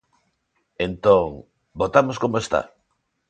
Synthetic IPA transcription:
ent̪oŋ | bot̪amoskomoest̪a̰

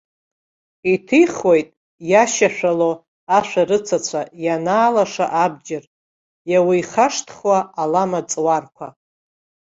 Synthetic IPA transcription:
itʰiχwojtʼ | jaʃaʃʷᶣalo | aʃʷᶣaɾɨt͡sʰat͡sʷʰajanaːlaʂa̰ʔabd͡ʒɪr | jawiiχaʂtʰχwaːlamat͡sʼwarkʷʰa

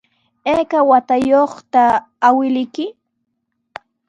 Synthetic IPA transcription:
eːkawat̪ajoχt̪aː | wɪlɪjkɪ

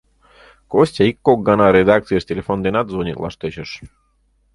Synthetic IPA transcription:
kosʲtʲaikːok̚ɡɑnɑɾed̪ɑk̚t̪sɨjəʃt̪ʲelʲefond̪enɑt̪zonʲiklˠɑ̰ʃt̪et͡ɕəʃ

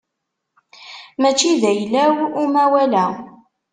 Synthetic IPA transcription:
mæt͡ʃːiðæjlæwumæwælæ

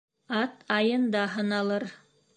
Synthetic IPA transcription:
ɑt̪ʰɑjɤ̆nd̪ɑɦɤ̆nɑlˠɤɾ

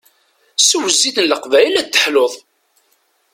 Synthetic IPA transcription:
səwəzːiθənləqvæjəlæt̪ːə̥ħloðˤ

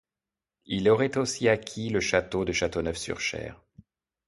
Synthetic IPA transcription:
ilɔʁɛt̪osiakʲʰiləʃat̪od̪əʃat̪onœfsy̰ʁʃɛ̰ːʁ

